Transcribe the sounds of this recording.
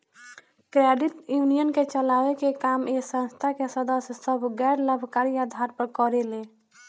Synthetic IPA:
kɾeɖiʈjunijənket͡ʃəlawekekamesə̃nst̪ʰakesəd̪əsjsəbʱɡɛɾləbʱkaɾiad̪ʱaɾpəɾkɔɾele

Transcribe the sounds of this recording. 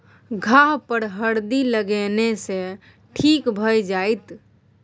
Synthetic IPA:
ɡʱaɦpəɾɦəɾd̪iləɡenesẽ | ʈʰikbʱəjd͡ʒajt̪

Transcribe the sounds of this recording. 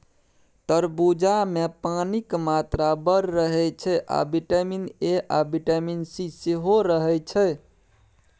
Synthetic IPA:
t̪əɾbud͡ʒamepanikmat̪ɾabəɾːəɦɛt͡ʃʰɛʔa̰biʈəmineʔabiʈəminsiseɦoɾəɦɛt͡ʃʰɛ

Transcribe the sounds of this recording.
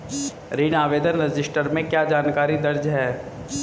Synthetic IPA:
ɾiːnaːʋeːd̪ənɾɐd͡ʒɪsʈəɾmẽkjaːd͡ʒaːnkaːɾid̪ɐɾd͡ʒɦɛː

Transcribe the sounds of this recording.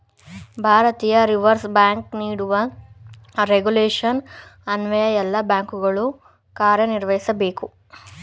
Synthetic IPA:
bʱaːɾɐt̪iːjɐɾiʋɐɾsbaːŋkniːɽuʋɐ | ɾeɡuleːʂɐnɐnʋɐjɐjɛlːɐbjaːŋkuɡɐɭu | kaːɾjɐniɾʋɐjisɐbe̞ːku

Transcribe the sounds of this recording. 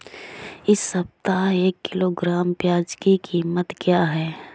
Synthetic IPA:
ɪsːəp̚t̪aeːkːɪloːɡɾaːmpjaːd͡ʒkikʰiːmət̪kjaːɦɛː

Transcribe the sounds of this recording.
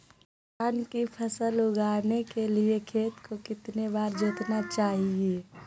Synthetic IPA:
aːnkipʰəsəlʊɡaːɾnekeliekʰeːt̪kokɪt̪nebaːɾd͡ʒɪt̪nat͡ʃaːɦieː

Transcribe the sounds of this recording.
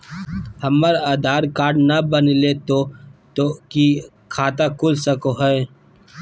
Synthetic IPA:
hɐmːəɾaːd̪ʱaːɾkaːɾɖnɐbənilet̪ot̪oki | kʰaːt̪akʰʊlsəkoɦɛe

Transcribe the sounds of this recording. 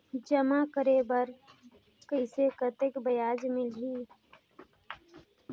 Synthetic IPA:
d͡ʒəmakəɾeːbəɾ | kəsekət̪ekbəjaːd͡ʒmɪlɦiː

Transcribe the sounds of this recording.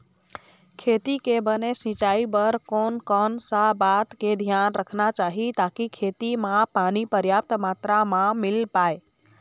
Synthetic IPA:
kʰet̪ikebənesĩt͡ʃaibəɾkonkɔnsabat̪ked̪ʱjanɾəkʰnat͡ʃaɦit̪akikʰet̪imãpanipəɾjap̚t̪mat̪ɾamãmilpae

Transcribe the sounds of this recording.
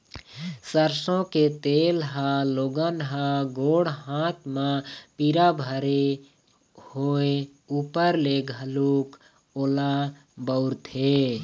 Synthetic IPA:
səɾsõket̪eːlɦãloːɡənɦaɡoːɽɦaːt̪ʰmãpiɾabʱəɾe | hoe | upəɾleɡʱəluːk | oːla | bəʊɾt̪ʰe

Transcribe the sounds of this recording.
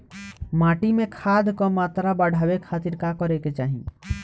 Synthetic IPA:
maːʈimẽkʰad̪kɔmaːt̪ɾabəɽʱawekʰaːt̪iɾkakɔɾeket͡ʃaːɦḭ

